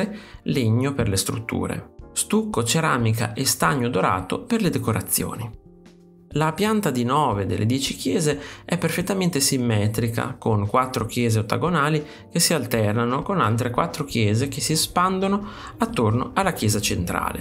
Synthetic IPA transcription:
eleɲːoperlest̪ɾṵt̪ːṵːɾḛst̪ukːot͡ʃeɾaːmika̰ʔest̪aɲːod̪oɾa̰ːt̪o̰perled̪ekoɾat̪sːjo̰ːni | lapjant̪ad̪inɔːved̪ḛlːʔed̪jɛːt͡ʃik̟jɛːzeɛpːerfet̪ːament̪esimːɛːt̪ɾika̰koŋkwat̪ːɾok̟jɛːzeot̪ːa̰ɡonaːli | k̟esːialt̪ɛrnanokonalt̪ɾekwa̰t̪ːɾokjɛːzekesispand̪ono | at̪ːornoʔalːakjɛːzat͡ʃent̪ɾa̰ːlḛ

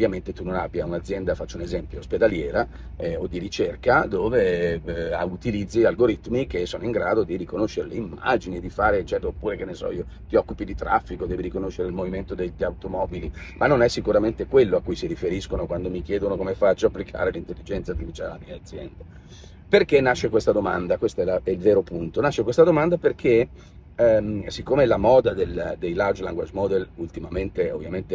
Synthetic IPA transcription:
ovːjament̪et̪unːonabːjaunad̪zːjɛnd̪afat͡ʃːounezɛmpjosped̪aljɛːɾa | ɛod̪iɾit͡ʃerkad̪oːve | aut̪ilid̪zːialɡoɾit̪mikesːoːnoiŋɡɾaːd̪od̪irikonoʃːeɾeleimːa̰d͡ʒinid̪ifaːɾet͡ʃːɛt̪ɾoopːuːɾekenːesɔ̰iːo | t̪iɔkːupid̪it̪ɾafːikod̪ɛːviɾikonoʃːeɾeilmoviment̪od̪eʎawt̪omɔbilimanːonɛsːikuɾament̪ekwelːoakːujsiɾifeɾiskonokwand̪omik̟jɛːd̪onokomefat͡ʃːoapːlikʰa̰ːɾelint̪elːid͡ʒɛnt̪sat̪ːifit͡ʃalalamiat̪zːjɛ̰nd̪a | perkenːaʃːekwest̪ad̪oma̰nd̪akwest̪aɛlaɛilveːɾopunt̪onaʃːekwest̪ad̪omand̪aperkʰe | ɛmsikːomelamɔːd̪ad̪eld̪ejlawd͡ʒlaŋɡwa̰d͡ʒmɔd̪elult̪imament̪eo̰vːjament̪e

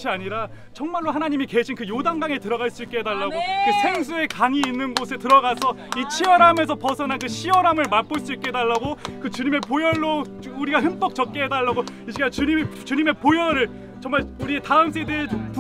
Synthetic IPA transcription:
ɕʰiaɲiɾa | t͡ɕʰʌŋmaɭːoɦanaɲimike̞ɕʰinkɯjodaŋɡaŋe̞tɯɾʌɣaɭs͈uik͈e̞ɦedaɭːaɡokɯsʰe̞ŋs̬ʰue̞kaŋiːnːɯnɡosʰe̞tɯɾʌɡasʰʌ | it͡ɕʰiʌɾame̞s̬ʰʌpʌsʰʌnankɯɕʰiwʌɾamɯɭmap͈oɭs͈uik͈edaɭːaɡokɯt͡ɕuɲime̞pojʌɭːo | uɾiɡaɦɯnp͈ʌk̚t͡ɕʌk̚k͈eɦedaɭːaɡoiɕɡat͡ɕuɲimt͡ɕuɲime̞pojʌɾɯɭ | t͡ɕʌŋmaɭuɾietaɯms̬͈ʰe̞dep

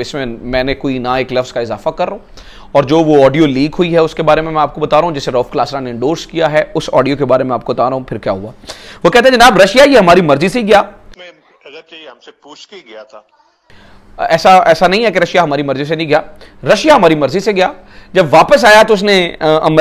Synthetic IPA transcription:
ɪsmẽmɛ̃ːnẽkoːinaeːklɐfskaɪzaːfakɐɾːũː | ɔːɾd͡ʒoːʋoɔːɖijoliːkɦʊiɦɛʊskebaːɾemẽmɛ̃aːp̚kobɐt̪aːɾaɦũd͡ʒɛːseɾɔːfklaːsɾãnẽɪ̃ɳɖoːɾskijaɦɛʊsɔ̰ːɖijokebaːɾemẽaːp̚kobɐt̪aːɾaɦũpʰɪɾkjaːɦʊaːʋokɛɦt̪ẽɦɛ̃d͡ʒɐnaːbɾɐʃjajeɦɐmaːɾimɐɾziseiɡɪjaː | ɐɐmsepuːt͡ʃkeɡɪjat̪ʰaː | ɛːsaɛːsanɐɦĩɦɛkeɾɐʃjaɦɐmaːɾimɐɾzisenɐɦĩɡɪjaːɾɐʃjaɦɐmaːɾimɐɾziseɡɐjaː | d͡ʒɐbʋaːpəs̬aːjat̪oʊs̬nẽɐ̰m

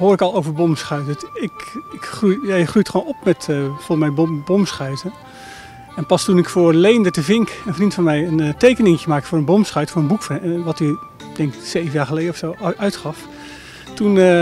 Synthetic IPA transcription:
ɦoːrɪkɑlˠowvəɹbɔmsχœɥtəɪkɪkχrujjajəχrujtχʋonɔpmɛtfɔlˠmɛjbbɔmsχœɥtə | ɛnpɑstunɪkfʊːɹlejndətəvɪŋkɛnvərdintfɔmɛjəntejkənɪŋətəmaːktfʊːɹənbɔmsχœɥtfʊːɹənbukfnʋɑty | d̥ɛŋksejvənjaːχəlejdəɔfsowœɥtχɑf | tun

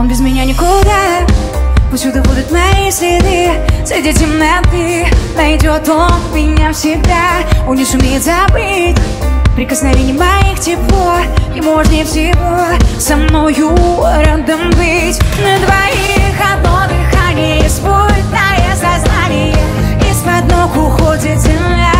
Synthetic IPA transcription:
onbʲɪzmʲɪnʲanʲɪkʊd̪a | pʊsʲud̪əbud̪ʲʊt̪nɐjisʲlʲɪd̪ɨsɐjdʲetʲɪmnɐt̪ɨnɐjdʲot̪onmʲɪnʲafsʲɪɡ̚d̪aonʲɪsʊmʲejɪt̪zabɨtʲ | pɾʲɪkəsnavʲenʲɪjmɐjixtʲɪpoɪmoʐnʲɪfsʲɪvosamnojuɾɐd̪əmbɨtʲnəd̪vaixad̪lovɨxanʲespodɪt̪najasaznanʲɪjə | ispɐd̪noxʊxodʲɪt̪zʲɪma

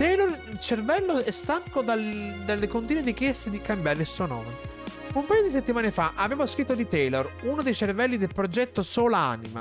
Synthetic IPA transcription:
t̪ɛjlorilt͡ʃervɛlːoɛst̪aŋkod̪ald̪alːekont̪̬iːnweɾikjɛst̪ed̪ikambjaːɾeilsuonɔ̰ːme | umpaːjod̪iset̪ːimaːnefaʔaveːvoskɾit̪ːod̪it̪ɛlorunod̪ejt͡ʃervɛlːid̪elpɾod͡ʒɛt̪ːosoːlaa̰ːnḭma̰

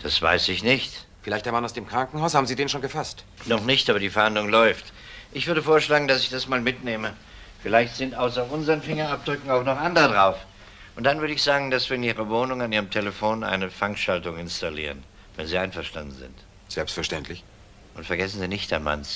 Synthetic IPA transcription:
d̥asv̥a̰ɪsɪçnɪçtfɪlaɪçtd̥ːɐmanaʊsd̥eːmkʁ̥aŋkŋ̩ɦaʊshaːbm̩ziːdeːnʃoːnɡəfastnɔχnɪçtʔaːbɐdiːfɛɐhandlʊŋlɔʏft | ʔɪçv̥ʏɐdəfoːɐʃlaːɡŋ̩dasɪçd̥asmaːlmɪtneːmə | fɪlaɪçtz̥ɪntʔaʊsɐʔʊnzəʁənfɪŋɐap̚d̥ʁʏkŋ̩aʊxnɔχʔandəʁədʁaʊf | ʔʊnt̚d̥anvʏɐɾəɪçz̥aːɡŋ̩d̥asv̥iːɐɪniːʁɐvoːnʊŋaniːʁəmtʰeləfoːnʔa̰ɪnəfaŋkʃaltʊŋɪnstalḭːʁən | vɛnziːʔaɪnfɛɐʃta̰ndn̩zɪ̰nt | z̥ɛlpstfɛɐʃtɛntʰlɪç | ʔʊntfɛɐɡɛsn̩ziːnɪçtd̥a̰nma̰ns

